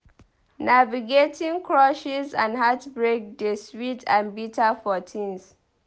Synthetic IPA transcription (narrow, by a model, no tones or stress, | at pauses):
naviɡetʰĩŋkʰɹɔʃizãnɦatbɹek̚deswitʰãnbitafɔtʰĩns